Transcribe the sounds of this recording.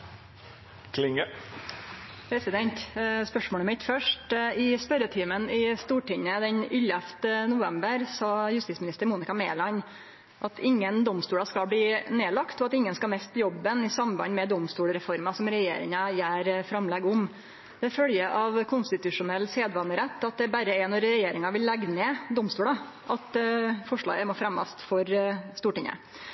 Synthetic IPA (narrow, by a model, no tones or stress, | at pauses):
kʰlɪŋə | pʰɾɛsɪd̪ɛnt̪spœʂmoːɭəmɪt̪fœʂʈɪspœɾət̪ʰiːmənɪst̪uːʈɪɲːəd̪ɛɲʏlːɛft̪ənʊʋɛmbəɾsɑːjʉst̪ɪsmɪnɪst̪əɾmuːnɪkɑmḛːlɑn | ʔɑt̪ʰɪŋːənd̪ɔmst̪uːɽɑskɑbliːneːlɑkt̪ɔɑt̪ɪŋːənskɑlmɛst̪jɔbːənɪsɑmbɑ̰nmɛd̪ɔmst̪uːlɾɛfɔɾmɑsɔmɾɛjḛːɾɪ̰ŋɑjæːɾfɾɑmlɛɡɔm | d̪̥ɛfœljəʔɑʋkʰʊnst̪ɪt̪ʉʂʊnɛlːseːd̪ʋɑnəɾɛt̪ːɑt̪̚d̪ɛbæɾəɛnɔɾɛjeːɾɪŋɑʋɪllːɛɡneːd̪ɔmst̪uːɽɑ | ʔɑt̪fɔʂɭɑ̰ːɡəmofɾɛmːɑ̰st̪fɔɾst̪uːʈɪŋə̰